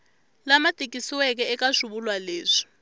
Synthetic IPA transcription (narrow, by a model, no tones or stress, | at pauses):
lamatʼikʼisiwɛk̬ɛɛkʼaʃuɓulwaleːzi̥